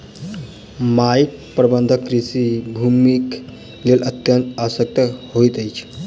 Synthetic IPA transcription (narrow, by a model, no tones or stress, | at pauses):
maik̚ | pɾəbənd̪ʱəkːɾisibʱumik | lelʔət̪jənt̪aʋəsək̚t̪əhoit̪əjt͡ʃʰ